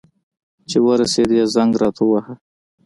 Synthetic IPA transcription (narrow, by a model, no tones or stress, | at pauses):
t͡ʃewəɾased̪ijazaŋɡɾɑt̪ʰawaha